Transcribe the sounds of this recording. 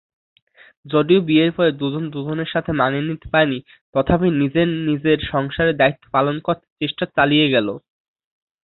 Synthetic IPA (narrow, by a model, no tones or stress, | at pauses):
d͡ʑoɖiobieɾpɔɾed̪ud͡ʑond̪ud͡ʑoneɾʃat̪ʰemanenit̪e̥paeni | t̪ɔt̪ʰapinid͡ʑeɾnid͡ʑeɾʃɔŋʃaɾed̪ait̪ːo̥palonkoɾt̪e̥t͡ɕeʃʈat͡ɕalieɡɛlo̰